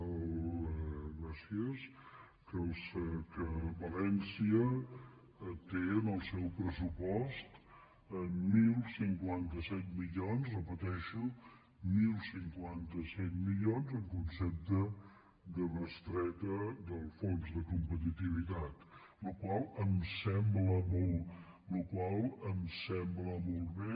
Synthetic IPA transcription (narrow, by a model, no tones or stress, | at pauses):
ɣɾasiəs | kəskəβəlɛnsiə | t̪eənəlˠsɛwpɾəsupɔst̪ | əmilˠsiŋkwant̪əsɛt̪̚miʎonzrəpət̪ɛʃu | milˠsiŋkwant̪əsɛt̪milonzəŋkunsɛp̚t̪ə | d̪ərəst̪ɾɛt̪əd̪əlˠfonzd̪əkumpət̪it̪iβit̪at̪ | lukwalˠəmsɛmbləmolˠ | lukwalˠəmsɛmbləmolˠβe